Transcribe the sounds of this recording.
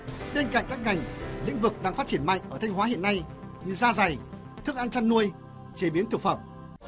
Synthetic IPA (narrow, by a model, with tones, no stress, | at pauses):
ɓe˧nka̰˧˨ŋkaː˦˥k̚ŋa˨˩jŋ̟lḭ̈˧˥ŋ̟vɨ˨˩k̚ɗaː˧ŋfaː˦˥t̚t͡ɕi˧˩ənma̰˧˨ŋ̟ʔəː˧˩t̪ʰa˧ŋ̟waː˨˦ɦḭ˧˨ənːa˧j | ɲɨ˧zaː˧za˨˩j | t̪ʰɨ˧˥ək̚ʔa˧nt͡ɕaː˧nːu˧əj | t͡ɕe˨˦ɓi˨˦ənt̪ʰɨ˨˩k̚fə˧˩m